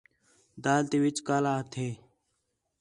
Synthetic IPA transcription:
d̪aːlt̪eːʋɪt͡ʃkaːlaːɦt̪ʰeː

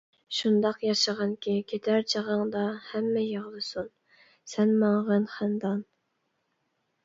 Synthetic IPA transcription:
ʃund̪ɑqjɑʃɑʁɑnkʲʰikʲʰet̪ʰæɾt͡ʃʰəʁɑŋd̪ɑhɛmːɛjeʁlˠɨsun | sɛnmɑɴʁənχænd̪ɑn

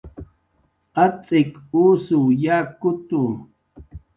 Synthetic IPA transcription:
at͡sʼɪkuːsujakʊt̪u

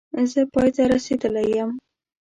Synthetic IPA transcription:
zəpɑjt̪aɾased̪əlajəm

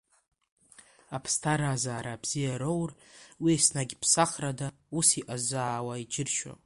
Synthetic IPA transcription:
apʰstʰaɾazaːɾaːbzijaɾowrwiasnaɡʲpʰsaχrada | usiʔazaːwaid͡ʒɪrʃo̰

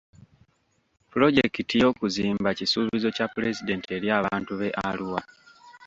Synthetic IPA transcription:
pulo̞ɟe̞kitijo̞ːkuziːmbacisuːβizo̞capule̞zide̞nte̞ɾjaːβaːntuβe̞ʔaluwa

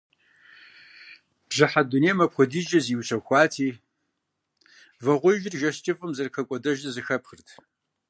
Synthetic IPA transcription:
b̥ʒɨħaduneːmɐpxʷɔdiːd͡ʒɐziwt͡ʃʰɐxʷɑːtʰiː | vɐʁʷʊʒɪrʒɐɕt͡ʃʼɪfʼɨmzɐrkʰɐkʷʼɔdɐʒɐzɨxɐpxɨrtʰ

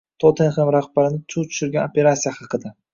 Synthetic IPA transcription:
t̪ʰot̪ʰenχemɾaχbaɾɪnɪt̪ʰut̪ʰʊ̥ʃʊɾɡʲanopʲe̞ɾat̪sijaχɑqɨd̪a

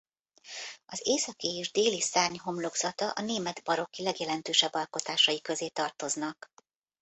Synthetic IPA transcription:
ɒzeːsɒkieːʒd̪eːlisaːɲɦo̞mlo̞ɡz̥ɒt̪ɒʔɒneːmɛd̪bɒɾo̞kilɛɡjɛlɛnt̪øːʃɛbːɒlko̞t̪aːʃɒjikø̞zeːt̪ɒrt̪o̞znɒk

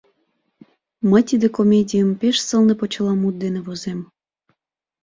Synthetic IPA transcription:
məjt̪id̪ekomʲedʲijəmpeʃsəlˠnepot͡ɕə̆lˠɑmut̪̚d̪enĕβozem

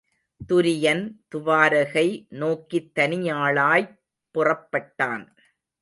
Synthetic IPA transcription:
t̪ʊɾɪjɐnt̪ʊʋaːɾɐɣɐɪnoːkit̪ːɐnɪjaːɭaːj | pːʊrɐpːɐʈːaːn

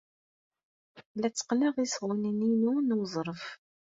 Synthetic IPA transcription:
læt͡sːə̥qnəʁisʁənəninunuzˤɾˤəf

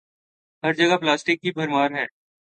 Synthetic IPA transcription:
ɦɐɾd͡ʒɐɡaplaːsʈɪkːibʱɐɾmaːɾɦɛː

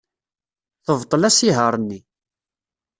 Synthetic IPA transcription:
θəvt̪ˤːəlæsiɦəɾˤnːi

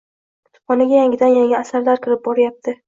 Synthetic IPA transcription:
t̪ʰʊ̥pɒnɪɡʲajaŋɡʲɪd̪anjaŋɪːsaɾlaɾkʲʰɪɾɪp̚bɒɾajap̚t̪ʰɪ

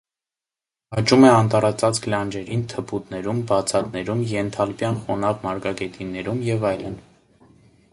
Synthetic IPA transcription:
hɑt͡ʃumɛɑnt̪ɑɾɑt͡sɑt͡skʰlɑnd͡ʒɛɾint̪ʰəpʰut̪nɛɾumbɑt͡sʰɑt̪nɛɾumjɛnt̪ʰɑlpjɑnχɔnɑvmɑɾɡɑɡɛt̪inɛɾumjɛvɑjlə̰n

